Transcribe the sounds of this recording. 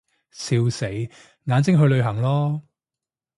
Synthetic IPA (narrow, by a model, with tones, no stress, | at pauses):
siː˧wse˨˥j | ŋaː˨˥nt͡sɪ˥ŋɦɵ˧ɥlɵ˨˧ɥɦɐ˨˩ŋlɔː˥